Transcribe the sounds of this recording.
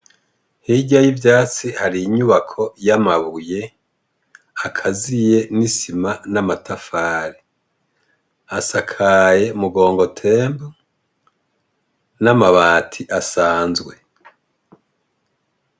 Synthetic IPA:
hiɟajivjaːt͡sihaɾiːɲuβakʰo̞jamaβuje̞ | akʰazije̞nisimanamatʰafaːɾe | asakʰaje̞umuɡo̞ːŋɡo̞tʰe̞ːmbu | namaβaːtʰiʔasaːnzɡwe̞

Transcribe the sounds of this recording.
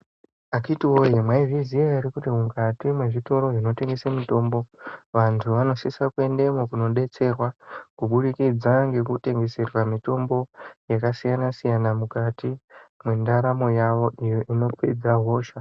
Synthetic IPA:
akitiwojemwaiviziajiɾikutimuŋkatimwe̞ʐito̞ɾo̞ʐino̞te̞ŋɡe̞samito̞ːmbo̞ʋantʰuʋano̞sisakue̞nde̞mokuno̞ɗe̞t͡se̞rwakuɓuɗikid͡zaŋɡe̞kute̞ŋɡe̞se̞rwamito̞mbo̞jakasijanasijanamukatimwe̞ndaɾamo̞jaʋo̞ijoʔino̞ped͡zaɦo̞ːʃa

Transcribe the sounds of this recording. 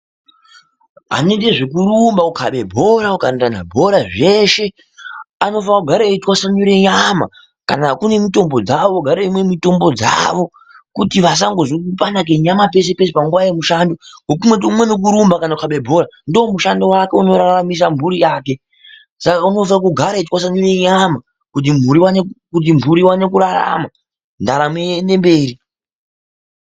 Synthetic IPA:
ɦa̰nendeʐekuɾumbakukʰaɓe̞bʱo̞ɾaukantana̰bʱo̞ɾaʐe̞ʃe̞ | ano̞fakuɡʱaɾaitwasaɲuɾe̞ɲama̰ | ka̰nakune̞mito̞mbod͡zaʋoɡʱaɾeimwe̞mito̞mbo̞d͡za̰ʋo̞ | kutiʋas̬aŋɡozokupanak̬e̞ɲamap̬e̞s̬e̞pesepaŋɡwajemuʃaːndo̞wok̬umwetumwe̞nok̬uɾumbakanaukaɓebʱo̞ɾandoːmuʃando̞wake̞uno̞ɾaɾamis̬ambʱuɾijaːke̞ | sakauno̞vakuɡʱaɾaitkwas̬anineɲama | kut̬im̤uɾiwanekut̬imbuɾiwane̞kuɾara̰ma | ndaɾamwende̞mbe̞ːɾi

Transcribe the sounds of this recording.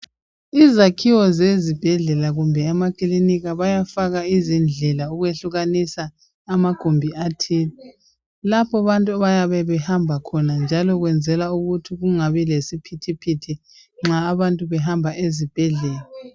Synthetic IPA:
izakʰiwɔzezib̥ʱɛɮɛlaɣumbʱɛːmakiliniɣaβajafaɣaizind͡ɮʱɛlauɣweɬuɣanisaː | maɡ̥ʱombʱiatʰili | lapʰɔβantʼuaβajaβɛβɛhambʱakʰɔnand͡ʒʱalɔɣwɛnd͡zʱɛlauɣutʰiɣuŋaβɛlesipʰitʰipʰitʰi | ŋ͡ǁaːβantʼuβɛɦambʱaʔezib̥ʱɛɮɛːla

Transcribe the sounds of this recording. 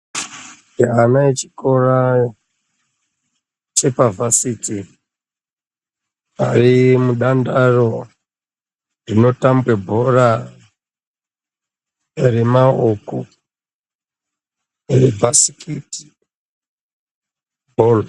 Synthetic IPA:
ɦanaet͡ʃi̥ko̞ra | t͡ʃe̞pavʱasiti | arimuɗandaro̞ | rino̞tambwebʱora | remaoko | rebʱasi̥kʰiti̥ | bʱol

